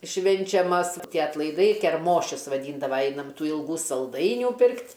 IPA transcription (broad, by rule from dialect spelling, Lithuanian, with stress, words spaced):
ˈʃʲʋʲɪnʲt͡ʃʲɛmɐs ˈtʲiɛ ɐtlˠɐɪˈdɐɪ kʲɛrˈmoːʃʲʊs ʋɐˈdʲiːndɐʋɐ ˈɛɪnɐm ˈtuː ɪlˠˈɡuː sɐlˠˈdɐɪnʲuː ˈpʲɪrktʲ